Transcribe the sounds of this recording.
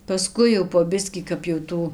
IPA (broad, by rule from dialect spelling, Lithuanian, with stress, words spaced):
pɐˈskʊɪ jɛʊ poː ˈbʲɪsʲkʲiː kɐp jɛʊ ˈtuː